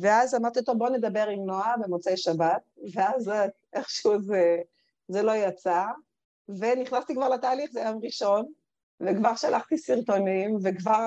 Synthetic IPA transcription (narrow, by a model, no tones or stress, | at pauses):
veazamaʁt̪iot̪oboned̪abe̞ʁimnoabe̞mot͡sejʃabat̪̚veaz | ʔeχʃeuze | zelo̞jat͡sa | veniχnast̪ikvaʁlat̪aːliχzejamʁiʃo̞n | vekvaʁʃalʔaχt̪isiʁt̪o̞nimvekvaʁ